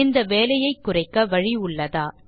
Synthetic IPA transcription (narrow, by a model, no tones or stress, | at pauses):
ɪnd̪ɐʋeːlɐjɐɪkːʊrɐɪkːɐʋɐɻiʊɭːɐðaː